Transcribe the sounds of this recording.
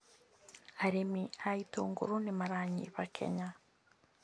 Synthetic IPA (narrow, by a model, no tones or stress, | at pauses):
aɾemiaito̰ːŋɡo̰ɾonemaɾaɲḭβakʰɛ̰ɲa